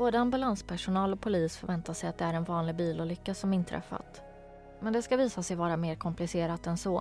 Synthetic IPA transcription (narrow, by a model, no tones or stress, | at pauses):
b̥oːd̪əambɵlanspʰæʂʊnɑːlɔk̚pʰʊliːsfœɾvɛnt̪aʂɛjat̪̚d̪ɛæɾɛnvɑːnlɪɡ̚biːlʊlʏkːasɔmɪnt̪ʰɾʔɛ̰fːa̰t̪ | mɛnd̪ɛskaviːsasɛjvɑːɾameːɾkʰɔmplɪseːɾat̪ɛnsɔ